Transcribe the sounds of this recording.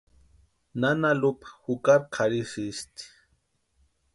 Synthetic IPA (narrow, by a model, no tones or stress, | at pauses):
nanalupḁxukaɾqʰaɾisist̪i̥